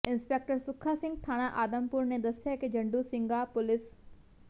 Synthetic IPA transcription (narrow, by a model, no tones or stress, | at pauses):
ɪnspeːk̚ʈəɾsʊkʰasɪ̃ŋɡ̚t̪ʰaːɽ̃aʔaːd̪əmpʊɾned̪ɐsjaked͡ʒɐ̃ɳɖusɪ̃ŋɡapʊlɪs